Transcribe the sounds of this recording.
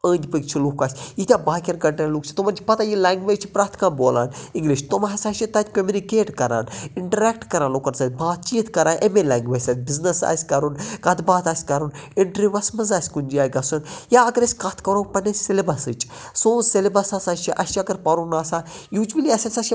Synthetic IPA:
ə̃ːnʲd̪ʲipɨkt͡ʃʰilukaːsʲjit̪ʲaːbaːkʲɐɾɡɐɳʈɐluːkt͡ʃʰi̥t̪omɐnʲt͡ʃʰi̥pɐt̪aːjilaːŋɡʋeːd͡ʒt͡ʃʰipɾaːt̪ʰkãːnboːla̰ːniŋɡliʃt̪omɦɐsʲaːʃit̪ɐt̪ʲkʲomʲunikeːʈkɐɾa̰ːniɳʈɐɾɛːk̚ʈkɐɾaːnlokɐnsɐːt̪ʲbaːt̪t͡ʃiːt̪kɐɾaːʔemelʲaːŋɡʋeːd͡ʒʲsɐt̪ʲbiznɐsa̰ːsʲkɐɾunkɐt̪baːt̪aːsʲkɐɾuniɳʈɾiʋɐsmɐzaːsʲkunʲd͡ʒiaːjɡɐsunjaɐɡɐɾɐsʲkɐt̪ʰkɐɾuːpɐneselibɐsɨt͡ʃ | sõːselibɐsasaːt͡ʃʰiʔɐsʃʰiɐɡɐɾpɐɾunaːsaːjuːt͡ʃʋɐliɐsʲasʲaʃi

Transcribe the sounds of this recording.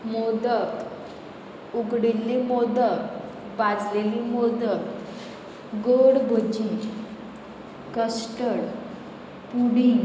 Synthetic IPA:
mɔd̪ət̪ | uɡɽilːimɔd̪ət̪ | bad͡zlelimɔd̪ət̪ | ɡoɽbʱot͡ɕi | kəsʈəɽ | puɽi

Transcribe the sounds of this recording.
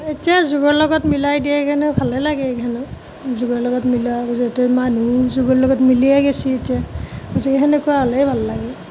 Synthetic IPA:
etijazuɡɔɹlɔɡɔtmilajdiɛkʰɛnɔbʱalɛlaɡɛkʰanʊ | zuɡɔɹlɔɡɔtmilaɔztɛmanuzuɡɔlɔɡɔtmiliɛɡesietijaɔzɛkekʰɛnekuaalɛjbʱallaɡɛ

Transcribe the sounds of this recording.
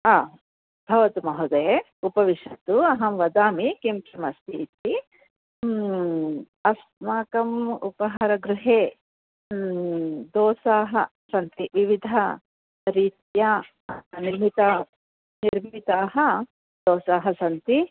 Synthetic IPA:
aː | bʱɐʋɐt̪umɐɦud̪ɐje | upɐʋiʃɐt̪uɐɦɐmʋɐd̪aːmikimt͡ʃɐmɐst̪it̪i | ɐs | maːkɐmṵpɐɦɐɾɐɡɾuɦeː | d̪ɔːsaːɦɐ̰ | sɐnt̪iʋiʋid̪ʱɐ | nɾiːt̪ja | niɾmit̪ɐ | niɾmit̪aːɦɐ | d̪̥ɔːsaːɦɐsɐnt̪i

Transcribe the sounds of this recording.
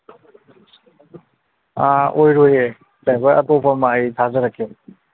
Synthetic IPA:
aojɾoje | sajkʰojɐtopʰamajtʰazɐɾəkʰːe

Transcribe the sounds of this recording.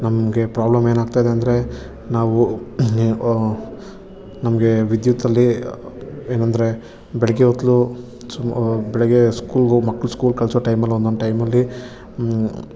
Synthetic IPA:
nɐmɡe̞pɾaːblɐme̞ːnaːɡ̚t̪aːjd̪eɐnd̪ɐɾe̞ | naːʋu | nɐmɐɡe̞ʋid̪jut̪ːɐlːi | eːnɐnd̪ɐɾe̞ | bɛɭɛɡeɦot̪lu | bɛɭɛɡeskuːlɡomɐkːɭuskuːlkɐɭsʋɐʈɐjmɐlːond̪onʈɐjmɐlːi

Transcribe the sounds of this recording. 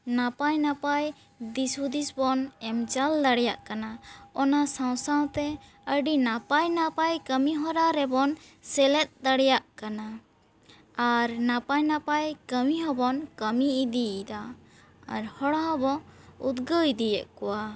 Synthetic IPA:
napajnapaj | d̪isud̪isbɔnɛmt͡ʃald̪aɽɛjaʔkanaɔnasãw̃saw̃t̪ɛ | əɖinapajnapajkəmiɦɔɾaɾɛbɔnsɛlɛt̪̚d̪aɽɛjaʔkana | aɾnapajnapajkəmiɦɔbɔnkəmiːd̪iːd̪a̰ː | ɾhɔɽaɦɔbɔud̪ɡəjd̪ijɛʔkɔwa

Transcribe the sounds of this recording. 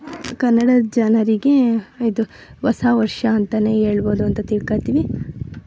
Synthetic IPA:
kɐnːɐɽɐd͡ʒɐnɐɾiɡeid̪u | ʋɐsaːʋɐɾʂɐːnt̪ɐne̞ːɦeːɭboːd̪uɐnt̪ɐt̪iɽkaːjt̪iːʋi

